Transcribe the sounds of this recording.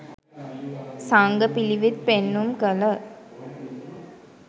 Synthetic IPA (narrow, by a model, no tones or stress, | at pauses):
saŋɡəpiliʋit̪̚penːumkələ